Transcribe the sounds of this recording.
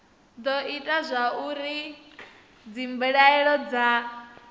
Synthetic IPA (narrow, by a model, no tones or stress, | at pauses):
d̪ɔitʼazʷauɾi | d͡zimbɛɺaɛɺɔd͡za